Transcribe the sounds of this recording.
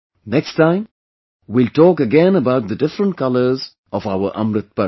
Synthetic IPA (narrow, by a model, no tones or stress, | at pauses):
nɛksʈãɪ̃m | wilʈɔːkəɡɛ̃nəbaʊʈ̚d̪əɖɪfɾə̃ɳʈ̚kʌləɾz | ɔvaʊəɾʔʌ̰̃mɾɪt̪̚pə